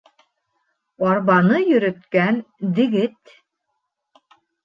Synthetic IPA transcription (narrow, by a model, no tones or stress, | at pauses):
ɑɾβɑnɤjɵ̆ɾɵ̆t̪kænd̪ɘ̆ɡɘt̪